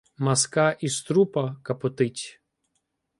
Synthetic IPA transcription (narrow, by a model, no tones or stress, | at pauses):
mɐskɑʔist̪ɾupɐkɐpɔt̪ɪtʲ